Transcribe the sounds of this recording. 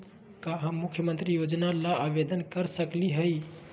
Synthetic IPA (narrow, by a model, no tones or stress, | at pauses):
kaɦə̃mːukʰjəmənt̪ɾijod͡ʒnalaːʋed̪ənkəɾsəkliɦəj